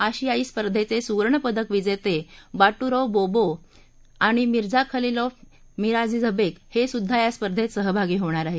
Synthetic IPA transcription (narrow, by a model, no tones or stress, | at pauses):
aɕiaiːspəɾd̪ʱet͡sesuʋəɾɳəpəd̪ʱəkʋid͡zet̪ebaʈuɾɔbobo | aɽ̃imiɾd͡zakʰəlilɔ | miɾad͡zid͡zʱəbekhesud̪ʱːajaspəɾd̪ʱet̪səɦəbʱaɡiːɦoɽ̃aɾaɦe